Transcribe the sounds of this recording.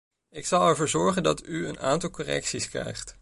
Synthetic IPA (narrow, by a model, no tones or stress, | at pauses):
ɪksɑlˠɛɹvʊːɹzɔɹχəndɑtyəna̰ːntɑlˠkorɛ̰ksiskrɛ̰jχt